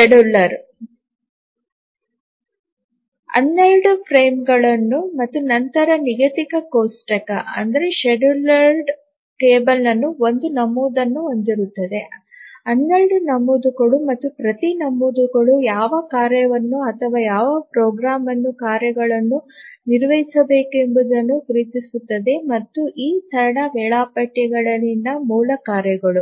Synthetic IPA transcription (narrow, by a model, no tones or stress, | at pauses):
ʃeɖulːɐɾ | ɐ̰nːelɖupʰɾeːmɡɐɭɐnːumɐt̪ːunɐnt̪ɐɾɐniɡɐt̪ikɐkoːsʈɐkɐɐ̰nd̪ɐɾe̞ʃeɖulɐɾɖ | ʈeːbɐlnɐnːuo̞nd̪unɐmːuːd̪ɐnːuond̪iɾut̪ːɐd̪e̞ | ɐnːɐɭɖunɐmːud̪uɡɐɭumɐt̪ːupɾɐt̪inɐmːud̪uɡɐɭujaːʋɐkaːɾjɐʋɐnːuɐt̪ʰɐʋaːjaːʋɐpɾoːɡɾaːmɐnːukaːɾjɐɡɐɭɐnːuniɾʋɐɦisɐbe̞ːkuembud̪ɐnːukuɾiːt̪isut̪ːɐd̪e̞mɐt̪ːuʔiːsɐɾɐɽɐʋɛːɭaːpɐʈːɛɡɐɭɐlinːɐmuːlɐkaːɾjɐɡɐɭu